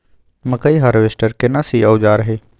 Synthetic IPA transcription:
mɐkəiɦaɾʋeːsʈəɾkɪnasiɐʊd͡ʒaːɾɦeː

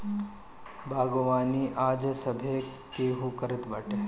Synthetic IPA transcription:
bʱaːɡoʋaːniʔaːd͡ʒsɐbʱekeɦukəɾɪt̪bɐʈe

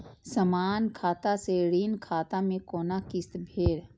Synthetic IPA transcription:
səmaːnkʰaːt̪aseɽiːnkʰaːt̪amẽkoːnakɪst̪bʱeːɾ

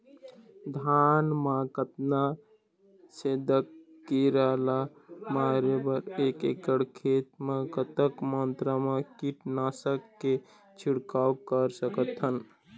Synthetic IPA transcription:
d̪ʱanmakət̪na | sed̪əkː | iɾəlamaɾebəɾekekəɽkʰet̪mekət̪əkmənt̪ɾəmekiʈnasəkːe | t͡ʃʰiɽkaukəɾsəkət̪ən

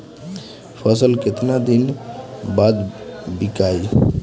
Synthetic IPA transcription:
pʰəsəlket̪nad̪inbad̪bikai

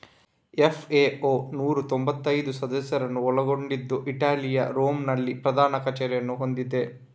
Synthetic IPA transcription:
efʰeːoːnuːɾut̪ombɐt̪ːɐjd̪usɐd̪ɐsjɐɾɐnuɔɭɐɡoɳɖid̪ːuʔiʈaːlijɐ̰ɾoːmnɐɭːipɾɐd̪aːnɐkɐt͡ʃɛɾjɐnuɦo̞nd̪id̪e̞

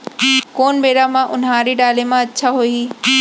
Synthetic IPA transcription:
koːnbeːɽamãʔʊnɦãːɾiɖaːlemãɐtːʃʰaɦoiː

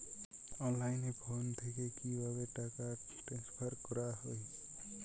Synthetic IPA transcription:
ʌnlajnebʰʱont̪ʰekekiwaɡeʈaka | ʈespʰʌɾkɔɾaɦoj

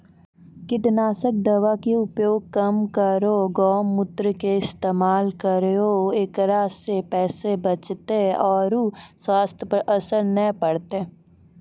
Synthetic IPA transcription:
kɪʈnaːsək̚d̪ɐʋakeʊpjoːɡ̚kəmkəɾoɡɔːmːʊt̪ɾəkeɪst̪eːmaːlkəɾoeːkɾaːsepɛːsebət͡ʃt̪eɔːɾuswaːst̪ʰjəpəɾʔɐsəɾnəpəɽt̪eː

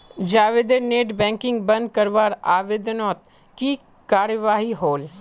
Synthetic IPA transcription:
d͡ʒaːʋɪd̪eneːʈbɛ̃ːŋkɪ̃ŋɡbə̃nd̪̚kəɾʋaːɾaːʋɪd̪nɔːt̪̚ | ki | kaːɾjəʋaːɦiɦoːl

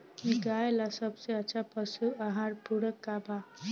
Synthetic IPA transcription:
kiɡaelasəbsẽətːt͡ʃʰapəsuaɦãɾpuɾəkːaba

